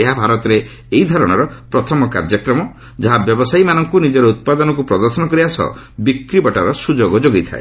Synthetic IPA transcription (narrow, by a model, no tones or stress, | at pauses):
eɦabʱaɾɔt̪ɔɾeː | id̪ʱɔɾɔɽ̃ɔɾɔpɾɔt̪ʰɔmɔka̰ɾd͡ʒɔkɾɔmɔ | d͡ʒaɦabjɔbɔsajmanɔŋkunid͡ʒɔɾɔut̪̚pad̪ɔnɔkupɾɔd̪ɔɾsɔnɔkɔɾiasɔ̰ | bikɾibɔʈaɾɔsud͡ʒoɡɔd͡ʒoɡit̪ʰa̰ḛ